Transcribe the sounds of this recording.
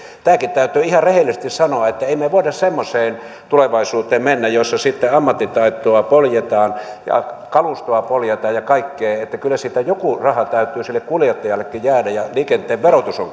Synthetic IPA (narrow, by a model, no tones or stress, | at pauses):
t̪æːkit̪t̪æyt̪ˑyːihɑrehelːisest̪issɑnoɑet̪ːæeimeʋoidɑssemːoseːn | t̪uleʋɑisuːt̪ˑeːmmenːæjosːɑsit̪ːeɑmːɑt̪ːit̪ɑit̪ːˑoɑpoljet̪ɑːnjɑ̰kɑlust̪oɑpoljet̪ɑːjjɑkɑikːeːet̪ːækylːæsit̪æjokurɑhɑt̪æyt̪ˑyːsilːekkuljet̪ːɑjɑlːekːijæːdæjɑliːkent̪ˑeːʋʋerot̪usoŋ